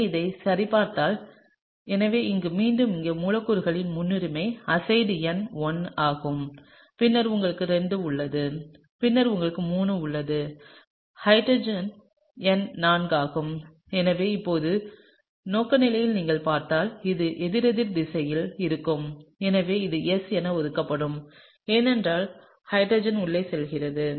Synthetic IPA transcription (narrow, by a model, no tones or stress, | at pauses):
ɪðɐɪsɐɾɪpaːɾt̪aːl | ɛnɐʋeːɪŋɡɯmiːɳɖɯmɪŋɡeːmuːlɐkːɯɾɯɣɐɭɪnmʊnːɪɾɯmɐɪɐsɐɪɖɛnʋɔnaːɣɯm | pɪnːɐɾʊŋɡɐɭɯkːɯɾɛɳɖɯʊɭːɐðɯ | pɪnːɐɾʊŋɡɐɭɯkːɯmuːnɯʊɭːɐðɯ | hɐɪɖɾɐd͡ʒɐn | ɛnnaːnɡaːɣɯm | ɛnɐʋeːɪpːoːðɯ | noːkːɐnɪlɐjɪlniːŋɡɐɭpaːɾt̪aːlɪðɯʔɛðɪɾɐðɪɾd̪ɪsɐjɪlɪɾɯkːɯmɛnɐʋeːɪðɯɛsɛnɐɔðɯkːɐpːɐɽɯm | eːnɛndraːl | hɐɪɖɾɐːd͡ʒɐnʊɭːeːsɛlɣɪrɐðɯ